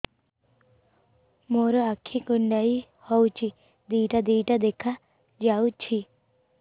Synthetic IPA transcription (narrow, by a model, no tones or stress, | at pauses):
moɾɔakʰːikuɳɖai | hɔwt͡ʃʰi | d̪iːʈad̪iːʈad̪ekʰa | d͡ʒawt͡ʃʰi